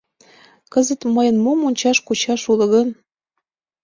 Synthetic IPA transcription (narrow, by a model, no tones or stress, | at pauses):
kəzə̆t̪məjə̆nmomunʲt͡ɕɑʃkut͡ɕɑʃulə̆ɣən